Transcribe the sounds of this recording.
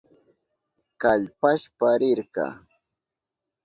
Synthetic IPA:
kaʎpaʃpaɾɪɾɢɑ̰

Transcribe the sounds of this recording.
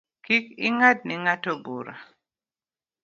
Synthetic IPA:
kikɪŋad̚nɪŋatɔbṵɾa̰

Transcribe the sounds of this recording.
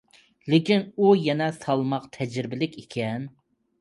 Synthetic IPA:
lɪkʲinujɛnɛsɑlˠmɑqt̪ʰɛd͡ʒɾɾɪbɪlɪkʲekʲʰɛn

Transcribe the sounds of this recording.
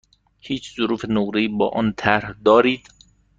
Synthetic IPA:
hiːt͡ʃʰzʊɾuːfenoɾeiːbɒːʔɒːnt̪ʰæɾhd̪ɒːɾiːd̪

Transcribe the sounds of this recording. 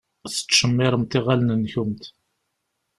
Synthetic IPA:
θə̥t͡sːʃəmːɪɾˤəmt̪ɪʁalnənçumt̪

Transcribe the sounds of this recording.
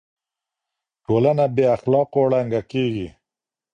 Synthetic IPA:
ʈolanabeaxlɑqoɽaŋɡakeɡi

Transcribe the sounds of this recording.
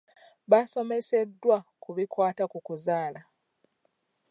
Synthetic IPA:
βaso̞me̞se̞dːwakuβikwaːtakukuzaːla

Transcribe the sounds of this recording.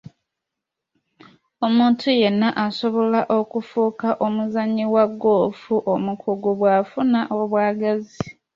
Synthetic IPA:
o̞muːntʰuje̞nːaʔaso̞βo̞laʔo̞kufuːkaʔo̞muzaɲːiwaɡːoːfuʔomukʰuɡuβwaːfunaʔo̞βwaːɡazi

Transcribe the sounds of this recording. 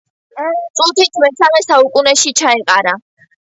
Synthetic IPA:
t̪sʼut̪ʰit̪ʰmɛsamɛsaukʼunɛʃit͡ʃʰaɛqʼaɾa

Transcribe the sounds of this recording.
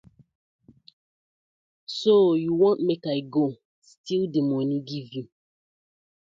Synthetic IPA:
sojuwɔ̃nmekaɪɡo | stʰildemɔniɡivju

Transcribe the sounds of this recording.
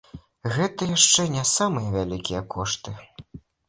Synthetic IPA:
ɣɛt̪ɐjaʂt͡ʂɛnʲɛsamɨjɐvʲalʲikʲijɛkɔʂt̪ɨ

